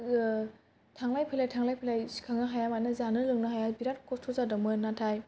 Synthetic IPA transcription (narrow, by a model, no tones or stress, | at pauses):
tʰaŋlajpʰajlajtʰaŋlajpʰajlajsi̥kʰaŋaɦajamanɐzanɯlɯŋnaɦajabiɾat̚kɔstʰozadɔmɯnatʰaj